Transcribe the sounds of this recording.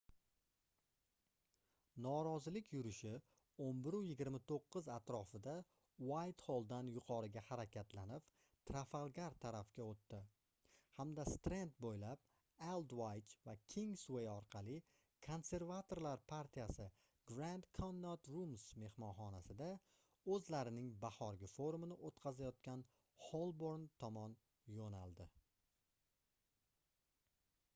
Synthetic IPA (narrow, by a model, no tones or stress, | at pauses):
nɒɾɒzɪlɪkʲʰjʊɾɪʃɪ | ombɪɾujɪɡʲɪɾmat̪ʰoqːɨzat̪ɾɒfɪd̪a | wajt̪holˠd̪anjʊqʰɒɾɪɡʲahaɾakʲat̪lanɪp | t̪ʰɾafalˠɡʲaɾt̪ʰaɾafɡʲaot̪ːɪ | hamd̪ast̪ɾent̪̚bojlap̚ | elˠd̪wajt͡ʃvakʲʰiŋswejɒɾqʰɑlˠɪ | kʰo̞nse̞ɾvat̪ʰo̞ɾlaɾpʰaɾt̪ʰijasɪ | ɡɾand̪kʰonːot̪ɾumsme̞hmɒnχɒnasɪd̪a | ɵzlaɾɪnɪŋbahɒɾɡʲɪfoɾumɪnɪʔot̪qʰɑzajɒt̪̚kʲan | holˠboɾnt̪ʰɒmɒn | jonalˠd̪ɪ